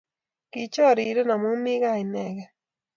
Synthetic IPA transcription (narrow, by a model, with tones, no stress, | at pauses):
ki˨t͡ʃo˦˨ɾi˨ɾe˦na˨mu˦mi˦ɣa˦˨i˨ne˦˨ɣa˨